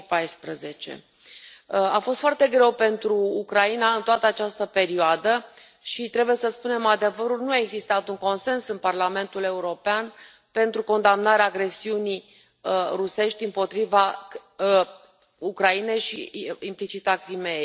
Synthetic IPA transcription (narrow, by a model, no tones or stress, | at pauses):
pajspɾəze̞t͡ʃḛ | afo̞st̪foart̪e̞ɡɾe̞wpe̞nt̪ɾuːkɾainaɨnt̪oat̪əat͡ʃast̪əpe̞ɾioad̪ə | ʃit̪ɾe̞buje̞səspune̞mad̪e̞vəɾulnuaeɡzist̪at̪uŋko̞nse̞nsɨnparlame̞nt̪ule̞uɾo̞pean | pe̞nt̪ɾuko̞nd̪amnaɾeaːɡɾe̞siunij | ruse̞ʃt̪ʲɨmpo̞t̪ɾiva | ukɾaine̞jʃiimplit͡ʃit̪akɾimejej